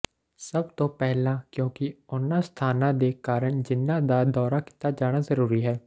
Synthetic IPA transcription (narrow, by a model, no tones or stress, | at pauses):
səbt̪õːpɛɦlãːkjõːkɪʊnãːst̪ʰaːnãːd̪eːkaːɾəɳd͡ʒɪnːãːd̪aːd̪ɔːɾaːki̥t̪aːd͡ʒaːɽ̃aːzəɾuːɾiːɦɛː